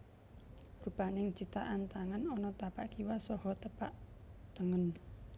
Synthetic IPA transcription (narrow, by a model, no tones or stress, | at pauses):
rub̥a̤nɪŋ̥t͡ʃit̪aʔant̪aŋanɔnɔt̪apaʔɡ̥iwasɔhɔt̪əpaʔt̪əŋən